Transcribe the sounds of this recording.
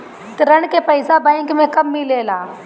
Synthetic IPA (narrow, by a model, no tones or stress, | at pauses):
t̪ɐɾɐɽ̃kepɐɪsabɛ̃ɪŋkmẽkɐmːileːlaː